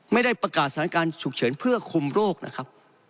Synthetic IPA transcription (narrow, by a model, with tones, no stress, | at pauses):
ma˥˩jda˥˩jpɾa˧kaː˨˩t̪̚sʰkaː˧nt͡ɕʰu˨˩k̚t͡ɕʰɤː˩˦npʰɯ˥˩ɐkʰu˧mɾoː˥˩k̚na̰˦˥kʰa˦˥p̚